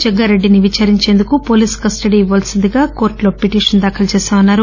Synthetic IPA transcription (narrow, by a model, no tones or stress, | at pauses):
d͡ʒɛɡːɐɾeɖːiniʋit͡ʃaːɾiɲt͡ʃe̞ːnd̪ukupo̞ːliːskɐsʈɐɽiiʋɐlsind̪iɡaːko̞ːɾʈlo̞ːpiʈiːʂɐnd̪aːkʰɐlt͡ʃeːsaːmɐnːaːɾu